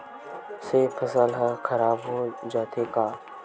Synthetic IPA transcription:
sepʰəsəlɦãkʰɐɾaːbɦod͡ʒaːt̪ʰekaː

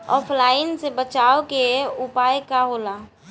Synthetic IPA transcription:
ɔːpʰlaːɪnsebət͡ʃaːokeʊpaːjkaɦola

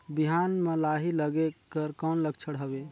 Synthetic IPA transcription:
biɦanməlaɦiləɡekəɾkɔnləɡt͡ʃʰəɽ̤ɦəbe

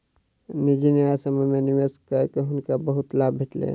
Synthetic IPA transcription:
nid͡ʒineasəməmeniʋeskəekeɦʊnkabəɦʊt̪labʱiʈlḛ̃

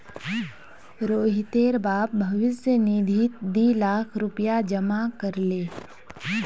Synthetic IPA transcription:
ɾoːɦɪt̪eːɾbaːp̚bʱɐʋɪsjəniːd̪ʱit̪̚d̪iːlaːkʰɾʊpijad͡ʒɐmakəɾleː

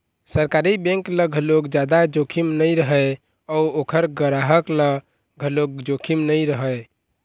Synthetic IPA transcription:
səɾkaɾibẽŋkləɡʱəloɡd͡ʒad̪ad͡ʒokʰimnəjɾəɦə | ɔuokʰəɾɡəɾaɦəklə | ɡʱəloɡ̚d͡ʒokʰimnəjɾəɦəj

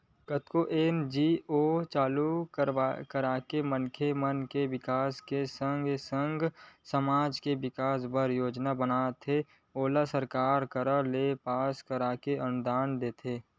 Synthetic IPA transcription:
kət̪koʔeːnd͡ʒiːoːt͡ʃaːlukəɾakəɾaːkemənkʰemənkeʋɪkaːskesə̃ŋɡsə̃ŋɡsəmaːd͡ʒkeʋɪkaːsbəɾjoːd͡ʒnabənaːt̪ʰe | oːlasəɾkaːɾkəɾəlepaːskəɾaːkeənʊd̪aːnd̪eːt̪ʰeː

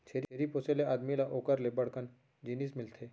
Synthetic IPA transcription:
t͡ʃʰeɾeɾiposeleaːd̪milaʔoːkəɾlebəɽkən | d͡ʒinismɪlt̪ʰeː

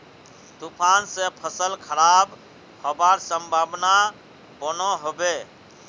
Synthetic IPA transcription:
t̪upʰansẽpʰəsəlkʰəɾab | hobaɾsəmbʱabna | bənɔɦobe

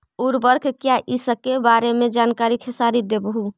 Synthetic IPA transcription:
uɾbəɾkʰkjaʔisəkebaːɾemẽd͡ʒaːnkaːɾikʰesaːɾid̪ebəɦu

